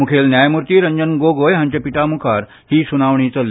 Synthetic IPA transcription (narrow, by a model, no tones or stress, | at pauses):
mukʰelnjajmuɾt̪iːɾəɲd͡ʑənɡoɡojɦãɲt͡ɕapiʈamukʰaɾ | hiːsunaʋɳ̃it͡səl